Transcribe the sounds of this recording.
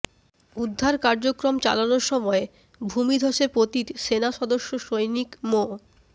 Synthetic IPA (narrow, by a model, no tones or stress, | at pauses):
ud̪ʱːaɾkaɾd͡ʑokɾomt͡ɕa̰lanoɾʃɔmɔe | bʱumid̪ʱoʃepɾot̪it̪senaʃɔd̪oʃːoʃojnikmo